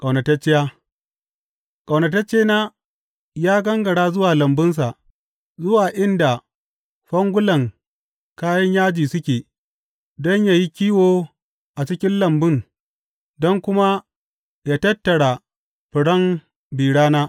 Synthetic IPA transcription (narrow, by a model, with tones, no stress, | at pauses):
kʼɐ˨wnɐ˨tɐ˦t͡ʃːɪ˦jaː˦ | kʼa˨wnɐ˨tɐ˦t͡ʃːeː˦naː˦ | jaː˦ɡɐ˦ŋɡɐ˨ɽaː˦zʊ˦waː˨lɐ˨mbɪ˦ns̬a˨ʔ | zʊ˦waː˨ʔɪ˦nda˨ | ɸɐ˦ŋɡʷʊ˦lɐ˨ŋ | kaː˦jɐ˦ɲjaː˦d͡ʒiː˨sʊ˦kʲeː˨ | dɔ˦ɲjaː˨ji˦kʲiː˦woː˦ | ʔa˨t͡ʃɪ˦kʲɪ˦nlɐ˨mbɪ˦ŋ | dɔ˦ŋkʷʊ˦ma˦ | jaː˦tɐ˦tːɐ˨ɽa˨ | ɸɪ˨ɽɐ˦m | biː˨ɽaː˦naː˦